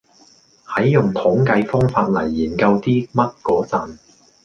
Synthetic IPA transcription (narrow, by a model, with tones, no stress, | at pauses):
hɐ˨˥jːʊ˨˩ŋt̪ʰʊ˨˥ŋkɐ˧jfɔː˥ŋfaː˧t̚lɐ̰˨˩jːiː˨˩nkɐ˧wt̪iː˥mɐ˥t̚kɔː˨˥t͡sɐ˨˧n